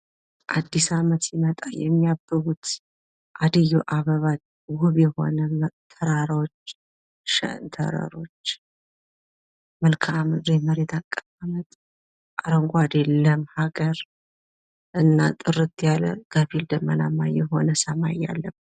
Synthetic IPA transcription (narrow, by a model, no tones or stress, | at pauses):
ʔad̪ːisamət̪jimət̪ʼajɛmːijabːɨβut̪ | ʔad̪əjuʔaβəβat͡ʃ | huβjɛho̞̰nəmt̪ʰəɾaɾawot͡ʃː | ʃɛ̰nt̪ʰə̰ɾə̰ɾo̞t͡ʃː | məlkʰamɨdeməɾet̪ʰakʼːaβamət̪ʼ | ʔaɾəŋɡʷad̪elːəmhaɡəɾ | ʔɨnːa̰t̪ʼɨɾɨt̪jalə̰ɡ̥əfild̪əmːənamːajɛɦo̞nəsəmajːa̰lːə